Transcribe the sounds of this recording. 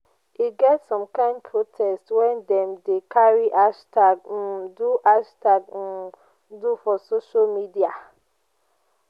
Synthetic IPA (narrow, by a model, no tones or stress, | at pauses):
iɡɛtsɔ̃mkãɪ̃ndpʰɹotʰɛstwɛ̃ndɛ̃mdekʰaɹiʔaʃtaɡ̩duʔaʃtaɡ̩ | dufɔsoʃalmidia